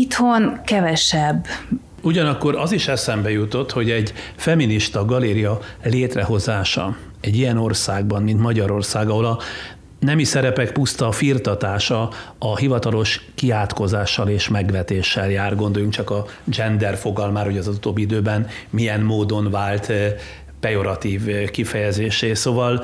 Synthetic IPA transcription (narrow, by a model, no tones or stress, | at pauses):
it̪honkɛvɛʃɛbː | uɟɒnɒkːo̞ɾɒziʃɛsɛmbɛjut̪o̞t̪ho̞ɟɛɟfɛminiʃt̪ɒɡɒleːɾijɒleːt̪rɛɦo̞zaːʃɒ̰ | ɛɟːijɛno̞rsaːɡbɒnmint̪mɒɟɒɾo̞rsaːɡɒɦolɒ | nɛmisɛɾɛpɛk̚pust̪ɒfirt̪ɒt̪aːʃɒɒhivɒt̪ɒlo̞ʃkiaːt̪ko̞zaːʃːɒleːʃmɛɡʋɛt̪eːʃːɛljaːrɡo̞nd̪o̞juŋkt͡ʃɒkɒ | d͡ʒɛnd̪ɛrfo̞ɡɒlmaːɾho̞ɟɒzut̪oːbːiid̪øːbɛn | mijɛnmoːd̪o̞nvaːlt̪ | pɛjo̞ɾɒt̪iːvkifɛjɛzeːʃeːsoːvɒl